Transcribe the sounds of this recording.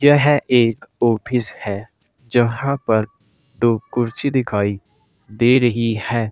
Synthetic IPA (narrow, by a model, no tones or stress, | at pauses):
jɛɦɛʔeːkɔːpʰɪshɛː | d͡ʒəɦãːpəɾ | ɖoːkʊɾt͡ʃiːd̪ɪkʰaːi | d̪eːɾəɦihɛː